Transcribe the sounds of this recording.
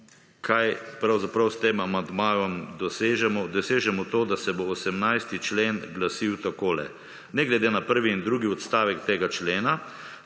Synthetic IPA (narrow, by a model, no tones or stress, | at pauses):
kʰajpɾawzapɾawst̪eːmamand̪maːjɔmd̪ɔseːʒɛmɔd̪ɔseːʒɛmɔt̪oːd̪asɛboːsɛmnajst̪it͡ʃleːnɡlasiwt̪akoːlɛ̰ | nɛɡlɛd̪enapəɾʋiːnd̪ɾuːɡiɔt̪st̪aːʋɛkt̪eːɡat͡ʃleːna